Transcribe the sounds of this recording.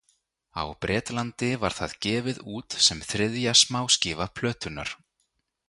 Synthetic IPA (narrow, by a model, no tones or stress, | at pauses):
a̰wpɾʔɛːt̪lant̪ɪva̰ɾ̥θaðcɛːvɪðuːt̪sɛmθɾɪðjasmaːwscɪːvapʰlœːt̪ʏna̰ɾ̥